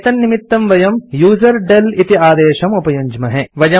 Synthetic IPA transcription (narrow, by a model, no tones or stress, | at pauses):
t̪ɐnːimit̪ːɐmʋɐjɐmjuːzɐɾɖɐlit̪iaːd̪eːʃɐmupɐjɐɲd͡ʒmɐɦɛ̃ʋɐjɐ